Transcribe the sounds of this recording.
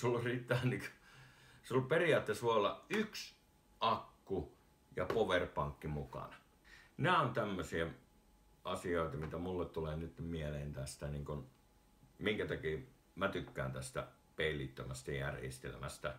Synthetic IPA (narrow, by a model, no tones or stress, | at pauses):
solyrit̪ːæːniko | seolupperiɑːt̪ːesʋoeolːɑʔyks | ʔɑkːu | jɑpoʋerpɑŋkːimukɑ̰nɑ | næˑont̪æmːøsie | ʔɑsioˑet̪ɑmit̪æmulːet̪t̪uleːnyt̪ːemieleːnt̪æst̪æniːŋkun | miŋkæt̪ɑkiː | mæt̪ykːæːnt̪æst̪æ̰ | peilːˑit̪ːømæst̪æjærjḛst̪ḛlmæst̪æ